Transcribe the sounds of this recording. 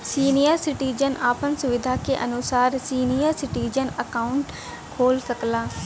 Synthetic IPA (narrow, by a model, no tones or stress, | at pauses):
siːnijəɾsɪʈiːd͡ʒənaːpənsʊʋɪd̪ʱaːkeːʔənʊsaːɾsiːnijəɾsɪʈiːd͡ʒənəkaːʊɳʈ | kʰoːlsəklaː